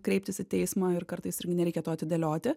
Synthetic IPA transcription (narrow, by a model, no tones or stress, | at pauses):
kɾʲɛɪp̚ʲt̪ʲɪsɪt̪ʲɛɪsmɑːɪɾkɐɾt̪ɐɪsɪɾʲɡʲɪnɛɾʲɛɪkʲɛt̪oːɐt̪ʲɪd̪ʲɛlʲoːt̪ʲɪ